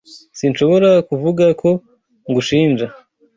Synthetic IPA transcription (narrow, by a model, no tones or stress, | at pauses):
sinʃo̞βo̞ɾakuvuɡakʰo̞ | ŋɡuʃiːnd͡ʒa